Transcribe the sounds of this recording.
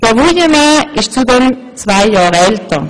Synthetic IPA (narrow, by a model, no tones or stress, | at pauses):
d̥ɛɐvujəmaɪʃt͡sudɛm | t͡svaɪjaːʁɛltɐ